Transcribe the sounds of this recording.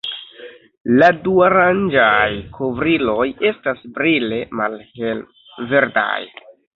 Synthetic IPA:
laduaɾand͡ʒajkʰo̞vɾilo̞je̞stasbɾile̞malhe | ve̞ɾda̰j

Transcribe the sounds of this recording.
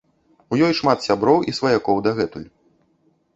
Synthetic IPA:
ujɔjʂmat̪sʲabɾɔwisvɐjakɔwd̪ɐɣɛt̪ulʲ

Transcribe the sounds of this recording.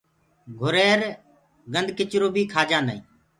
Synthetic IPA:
ɡʱʊɾeːɾ | ɡənd̪ʱkɪt͡ʃɾoːbiːkʰaːd͡ʒãːnd̪a̰ːĩː

